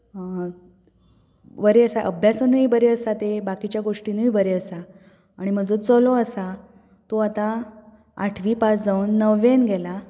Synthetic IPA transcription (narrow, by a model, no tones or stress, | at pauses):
ʋəɾeəsaʔəbʱjasənəjbəɾeəsat̪ebakit͡ɕjaɡoʂʈiːnəjbəɾeəsaː | ɽ̃im̤əd͡zot͡səloəsa | t̪oat̪ã | aʈʰʋiːpat͡sd͡zauːnːəʋenɡɛla